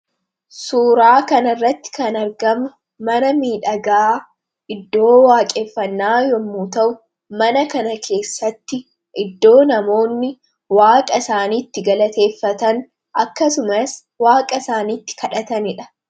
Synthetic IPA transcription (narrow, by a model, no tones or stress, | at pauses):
suːɾaːkɐnɐrːɐt̪ːɪ̥kɐnɐɾɡɐmʊ | mɐnɐmiːᶑɐɡɐaː | ɪd̪ːo̞ːwaːkʼeːfːɐnːaːjɔmːuːt̪ɐʔʊ | mɐnɐkɐnɐkʰe̞ːsːɐt̪ːɪ | ʔɪd̪ːo̞ːnɐmo̞ːnːɪ | waːkʼɐsaːniːt̪ːɪɡɐlɐt̪e̞ːfːɐt̪ɐn | ʔɐkːɐsʊmɐs | waːkʼɐsaːniːt̪ːɪ̥kɐᶑɐt̪ɐnɪᶑɐ̥